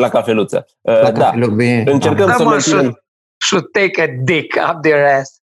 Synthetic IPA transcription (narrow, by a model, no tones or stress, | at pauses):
lakafelut̪sə̰ | əladkaaelubinɨnt͡ʃerkəmsəmẽʃun | ʃud̪̚t̪ekəd̪ikʰa̰p̚d̪əɹɛs